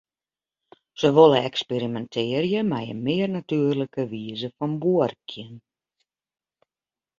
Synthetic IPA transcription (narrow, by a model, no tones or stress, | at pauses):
səʋolˠəɛkspeɾimɛntʰɪərjəmɛjə̰nmɪərnatyərləkəʋiəzəfɔnbuərkʰjən